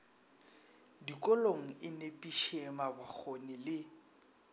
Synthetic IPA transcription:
dikʼʊloŋ̩ɪnepʼiʃemabak͡xʰonɪlɪ

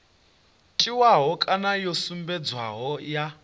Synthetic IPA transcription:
tʼiwaɦɔkʼanajosumbɛd͡zwa̰ɦɔja

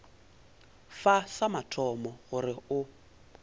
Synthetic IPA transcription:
fasamatʰɔmɔɣʊrɪʊ

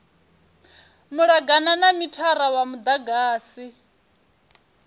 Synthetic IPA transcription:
muɺaɡananamitʰaɾawamud̪aɡaːsi

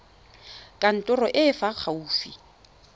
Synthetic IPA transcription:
kʼan̩tʼʊrɔʔɪfak͡xʰauːfi

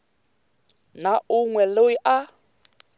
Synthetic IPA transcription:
naʊŋwɛloiʔa

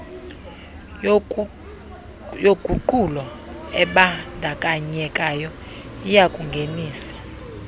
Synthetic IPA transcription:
joɡ̥ʱuǃulɔ | ɛɓandʱakʼaɲɛkʼajɔ | ijakʼuŋɡʱeniːsi̥

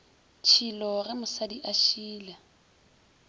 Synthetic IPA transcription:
t͡ʃʰilɔrɪmʊsadiʔaʃiːla

